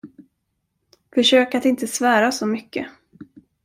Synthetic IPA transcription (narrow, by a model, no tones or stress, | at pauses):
fœʂøːkat̪ɪnt̪əsvæːɾasɔmʏkːə̰